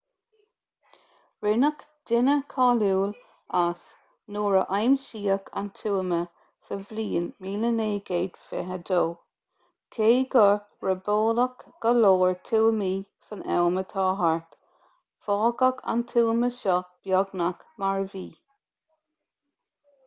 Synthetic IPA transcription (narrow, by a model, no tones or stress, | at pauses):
ɹɪnək | d̥ɪnəkʰɑːluːl | as | nuːɹəʔajmʃiːəkʰa̰nt̪ʰuːmə | səvliːnmiːləneːɡeːd̪̥fɛ̰ɦəd̪oː | kʰeːɡə | ɹəboːləkɡ̥əloːɹt̪ʰuːmiːsənɛ̰wmət̪ʰɑːɦaɹt̪ | fɑːɡəkʰa̰nt̪ʰuːməʃɔb̥jɔɡnakmaɹviː